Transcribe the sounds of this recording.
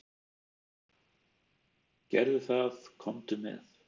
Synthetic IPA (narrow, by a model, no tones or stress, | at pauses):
cɛɾðʏθaðkʰɔmt̪ɪmɛ̰ð